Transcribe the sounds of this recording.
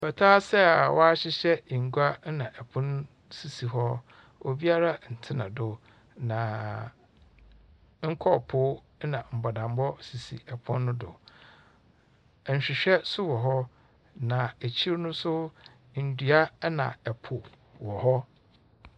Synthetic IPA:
bɛ˨tʰaː˦sɛ˦a˨wɔ˦a˦ɕɪ˦ɕɛ˦˨ŋ̩˨ɡu˦a˦nã˨ʔɛ˨pʰʊ̃˦n˦ | si˨si˨ɦɔ˦ | o˨bi˦a˦ɾa˦n̩˨tʰɪ˦nã̰˨dʊ˦ | nã˨ | ŋ̩˦kʰɔ˦˨pʰʊ˦ | nã˨m̩˨bɔ˨dã˨m˦bɔ˦si˨sḭ˨ɛ˨pʰʊ̃˦nːʊ̃˦dʊ̰˨ | ɲ̩˨ɕᶣɪ˨ɕᶣɛ˦sʊ˦wɔ˨ɦɔ˦ | nã˨e˨t͡ɕʰi˦ɾnʊ̃˦sʊ˦ | n̩˨dɥa˦nã̰˨ɛ˨pʰʊ˨ | wɔ˨hɔ˦

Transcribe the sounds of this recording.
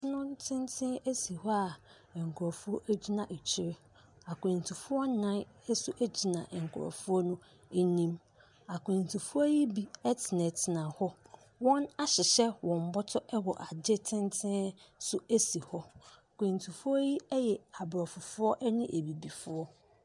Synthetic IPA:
nʊ̃˦n˦tʰɪ̃˦n˦tʰɪ̃˦æ˦si˨hɔ˦a˨ | ɛ˨ŋ˨kʰʊ˨ɾɔ˨fʊ˦ɔ˦ʔæ˦d͡ʑi˦nã˨ʔe˨t͡ɕʰɪ˦ɾɪ˦ | a˨kʰʷẽ˨n˨tʰu˨fʊ˦ɔ˦nã˦nɛ˦sʊ˦ʔæ˦d͡ʑi˨nã̰˨ʔɛ˨ŋ̩˨kʰʊ˨ɾɔ̰˨fʊ˦ɔ˦nʊ̃˦ | e˦nĩ˦m | a˨kʰʷẽ˨n˨tʰu˨fʊ˦ɔ˦ji˦bi˦ɛ˦tʰɪ˨nɛ̃˨tʰɪ˨nã˨hɔ˦ | wɔ̃˦na˦ɕɪ˨ɕɛ˦wɔ̃˨m̩˨˦bɔ˦tʰɔ˦ʔɛ˦wɔ˨ʔa˨d͡ʑɪ˦tʰɪ̃˦ntʰɪ̃˦sʊ˦e˦si˨hɔ˦˨kʰẽ˨n˨tʰu˨fʊ˦ɔ˦ji˦ɛ˦jɛ˨a˨bɾɔ˨fʊ˨fʊ˦ɔ˦ʔɛ˦nɪ̃˦ʔe˨bi˨bi˨fʊ˦ɔ˦

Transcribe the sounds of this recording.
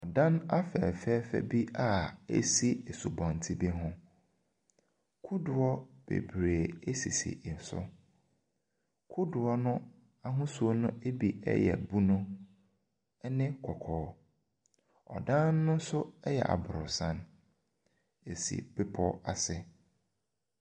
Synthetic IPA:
ɔ˨dã˦na˦fɛ̰˨fɛ˦fɛ̰˦bi˦ʔa˦ḛ˦si˦e˨su˨bɔ̃˨n˨tʰi˦bi˦ɦʊ̃˦ | kʰu˦dʊ˨ɔ˦b̥ḛ˨bɾeː˨e˦sḭ˨sḭ˨ʔɪ˨n̩˨sʊ̰˦ | kʰu˦dʊ˨ɔ˦nʊ̃˦ | a˦ɦʊ̃˦su˨˦o˦nʊ̃˦e˦bi˨ɛ̰˦jɛ̰˨bu˦nʊ̃˦ | nɪ̃˦kʰɔ˨kʰɔː˨˦ | ɔ̰˨dã˦nː˦ʊ̃˦n̩˦sʊ˦ɛ˦jɛ̰˨ʔa̰˨bʊ˨ɾʊ˨sã˦n | e˨sḭ˨b̥ɪ˦pʰɔ˦a˨sɪ˦

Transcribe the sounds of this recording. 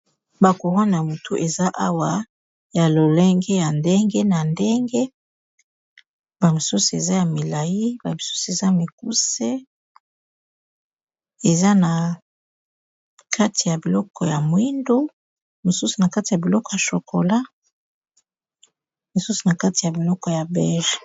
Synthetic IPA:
ba˨ko˨ʁo˦na˨a˨mu˨tʰo˦ʔe˨za˦ʔa˦wa˨ | ja˨lo˨le˦ŋɡe˦ja˨nde˦ŋɡe˦na˨nde˦ŋɡe˦ | ba˨mi˨su˦su˨e˨za˦ja˨mi˨la˨ji˦ba˨mi˨su˦su˨e˨za˦ja˨mi˨k̚u˦se˦ | e˨za˦na˨ | kʰa˦ti˨ja˨bi˨lɔ˦kʰɔ˨ja˨mwi˦ndo˦ | mo˨su˦su˨na˨ka˦ti˨ja˨bi˨lɔ˦kɔ˨ja˨ʃo˨kʰo˨la˦ | mo˨su˦su˨na˨ka˦ti˨ja˨bi˨lɔ˦kɔ˨ja˨bɛ˦ʒ

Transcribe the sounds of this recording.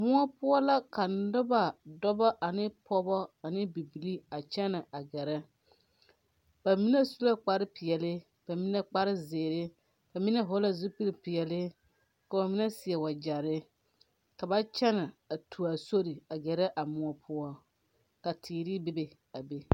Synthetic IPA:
mʊ˦ɔ˦pʊ˦ɔ˦la˦ka˨n˦dʊ˦ba˨dɔ˦bɔ˦ʔa˨nɪ˦pʰɔ˦bɔ˦a˨nɪ˦bi˨bi˨li˦a˨t͡ʃɛ˦nɪ˨a˨ɡɛ˨ɾɛ˦ | b̥a˨mi˦nɛ˦su˦la˦k͡pa˨ɾɪ˦pɪ˨ɛ˨lɪ˦ | b̥a˨mi˦nɛ˦k͡pa˦ɾɪ˦zeː˨ɾɪ˦ | ba˨mɪ˦nɛ˦ɦo˦la˦zu˦pi˦lɪ˨pɪ˨ɛ˨lɪ˦ | ka˨ba˨mɪ˦nɛ˦sɪ˨ɛ˨wa˨d͡ʒa˨ɾɪ˦ | ka˨ba˦t͡ʃɛ˦nɪ˨a˨tʰu˨a˨so˦ɾi˨a˨ɡɛ˨ɾɛ˦ʔa˨mʊ˨ɔ˦pʰʊ˦ɔ˦ | ka˨tʰiː˨ɾɪ˦be˦be˨ | a˨be˦

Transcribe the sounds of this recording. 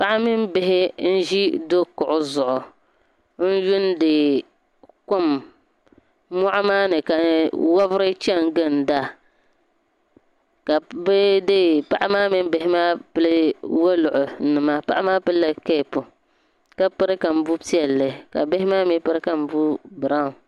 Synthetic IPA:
pa˦ʔa˦mi˦m˦bɪ˦ɦɪ˦n̩˦ʒi˦do˦kʊ˨ʔʊ˨zʊ˨ʔʊ˨ | n̩˦ju˦ndɨ˨ | ko˦m | mːɔ˦ʔʊ˦maː˦nɨ˨ka˨wa˦vɨ˦ɾɨ˦t͡ʃɛ˦ŋɡɨ˦n˨da˦ | ka˨bɛ˦dɨ˦pa˦ʔa˦maː˦mi˦m˦bɪ˨hɪ˦maː˦pɨ˦lɨ˦wo˦lʊ˨ʔʊ˨˦nɨ˨ma˦pa̰˦ʔa˦maː˦pɨ˦lːa˦kɛ˦˨pʊ˨ | ka˦pɨ˦ɾɨ˦ka˨m̩˦bu˦pi˦ɛ˨lːɨ˨ka̰˨be˦hɪ˦maː˦mi˦pɨ˦ɾɨ˦ka˨m̩˦bu˦bɨ˨ɾa˦˨ŋ˨

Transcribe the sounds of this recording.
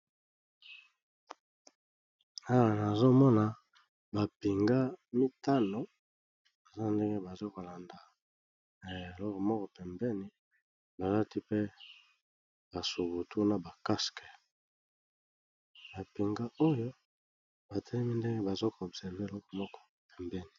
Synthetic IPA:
a˦wa˨na˨zo˦mɔ˦na˨ | ba˨pi˨ŋɡa˦mi˦ta˦no˨ | ba˨za˦nde˦ŋɡe˦ba˨zo˦ko˨la˨nda˨ | e˨lɔ˦kɔ˨mɔ˦kɔ˨pɛ˨mbɛ˦ni˨ | ba˨la˦ti˦pe˦ | ba˨so˨bu˨tʰu˦na˨ba˨ka˦skɛ˨ | ba˨pi˨ŋɡa˦o˦jo˦ | ba˨tʰɛ˦li˦mi˦nde˦ŋɡe˦ba˨zo˦kːbsɛ˨ʁve˦e˨lɔ˦kɔ˨mɔ˦kɔ̥˦˨pɛ˨mbɛ˦ni˨

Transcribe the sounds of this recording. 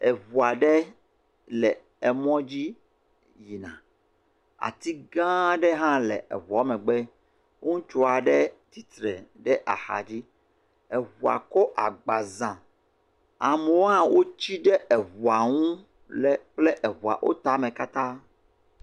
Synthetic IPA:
ɛ˨vu˨a˨ɖɛ˦ | lɛ˨ | ɛ˨mɔ̃˦d͡ʑi˦ | ji˨nã̰˨ | a̰˨t̪i˦ɡã˦ɖɛ˦ɦã˦lɛ̰˨ʔɛ̰˨va˨˦mɛ̃˨ɡ͡bɛ˦ | ũ˦t͡ʃo˦a˨ɖɛ˦t̪i˦t̪ɾɛ̰˨ɖɛ˦ʔa̰˨xa̰˨d͡ʑi˦ | ɛ˨βu˨a̰˨kɔ˦ʔa˨ɡ͡ba˨zã˨ | a˨mɛ˨wo˦ɦã˦wo˦t͡ɕi˦ɖɛ˦ʔɛ˨βu˨a˨ŋũ˦ | lɛ˦k͡ple˦ʔɛ˨vu˨a̰˨ʔo̰˦t̪a˨˦mẽ˨ka˦t̪ã˦

